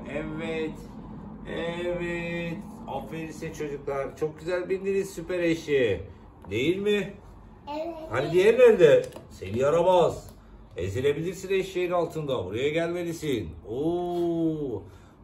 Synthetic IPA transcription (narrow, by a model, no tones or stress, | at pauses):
ɛvɛt̪ | ɛvɛt̪afvelʲisɛt͡ʃʰo̞d͡ʒuklˠaɾt͡ʃʰo̞k̚ɟyzælʲbind̪iɾizsypeɾeʃe | d̪e̞jilʲmɪ | halʲd̪ijæɾlʲæɾd̪ɛse̞niaɾabaz | ḛziɾe̞bilʲiɾsineʃːejinalˠt̪ʰɯnd̪abuɾajaɟælʲmelisino